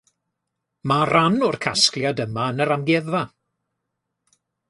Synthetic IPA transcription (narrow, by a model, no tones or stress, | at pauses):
maranʊrkʰaskljadəmaənəɾamɡɛða